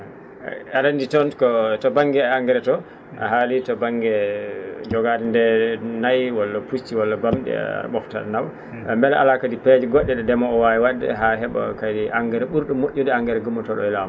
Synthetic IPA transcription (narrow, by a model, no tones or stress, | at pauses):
aɾanditɔntkɔtɔbaŋɡɛaaŋɡɛɾɛtɔ | a̰ɦalitɔbaŋɡɛ | d͡ʒɔɡadindɛnajwɔlːapust͡ʃiwɔlːabamɗɛ̰ɓɔfta̰naw | mbɛlɛa̰lakadipɛd͡ʒiɡɔɗːɛɗɛdɛmɔːwawiwadɛ̰ɦaɦɛɓa̰kajdiʔaŋɡɛɾɛɓuɾɗumːoʔʲːudɛaŋɡɛɾɛɡumɔtɔɗɔ̰ɛlama